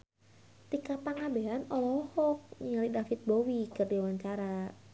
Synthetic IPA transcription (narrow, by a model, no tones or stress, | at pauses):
t̪ikapaŋabeɦanɔlɔhɔk̚ɲəlidafit̪̚bowikɨrdiwaɲt͡ʃaɾa